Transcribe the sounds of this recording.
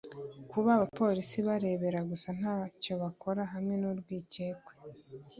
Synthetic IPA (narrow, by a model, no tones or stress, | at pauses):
kuβaːβapo̞ɾisiβaɾe̞ːβe̞ɾaɡusan̥haːco̞βako̞ɾaɦamŋe̞nuɾɡwiːce̞ːkwe